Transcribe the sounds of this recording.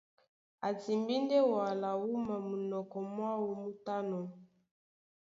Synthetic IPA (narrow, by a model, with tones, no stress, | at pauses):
a˨ti˨mbi˦nde˦wa˨la˨wu˦ma˨mu˨nɔ˨kɔ˨mwa˦wu˨mu˦ta˦nɔ˨